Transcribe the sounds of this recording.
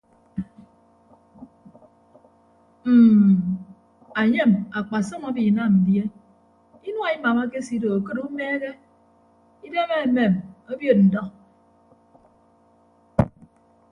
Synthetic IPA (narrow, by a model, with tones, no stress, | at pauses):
m̩ː˨ | a˨ɲe˦˨ma˨k͡pa˨sɔ˦ma˦bi˨na˦˨mn̩˨dje˦ | i˦nwa˨i˦ma˨ma˦k̬e˦si˦do˨o˨kɨ˦ɾu˦meː˦ɣe˦ | i˦de˦me˦˨me˨mo˦bjo˨t̚n̩˨dɔ˦k